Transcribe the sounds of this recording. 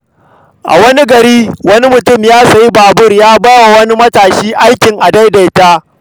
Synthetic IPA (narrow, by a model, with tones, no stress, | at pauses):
ʔa̰˨wɐ˦ni˦ɡɐ˨ɾiː˦wɐ˦ni˦mʊ˨tʊ˦˨mjaː˦sɐ˨ji˦baː˨bʊ˦˨rjaː˦baː˦wa˨wɐ˦ni˦mɐ˦taː˨ʃiː˦ʔa˦jkʲɪ˨ŋʔa˨da˦jda˨jtaː˦